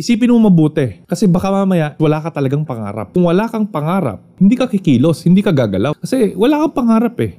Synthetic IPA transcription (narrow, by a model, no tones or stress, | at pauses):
ʔɪsiːpɪnmomɐbuːt̪ɛkɐsɛbɐkamamɐjaʔwɐlaːkɐt̪ɐlɐɡaŋpɐŋa̰ːɾɐ̰p̚kʊŋwɐlaːkɐŋpɐŋaːɾɐ̰p̚hɪnd̪iːkɐkɪkiːloshɪnd̪iːkɐɡaːɡɐlawkɐsɛwɐlaːkɐŋpɐŋaːɾɐpɛ